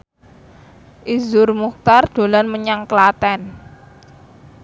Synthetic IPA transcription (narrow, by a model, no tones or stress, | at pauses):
ʔizʊrmuk̚t̪ard̪̥o̤lanməɲaŋkəlat̪ɛn